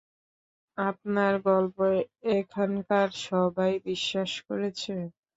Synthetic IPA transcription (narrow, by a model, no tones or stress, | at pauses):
ap̚naɾɡɔlpoeekʰankaɾʃɔbajbiʃːaʃkoɾet͡ɕʰe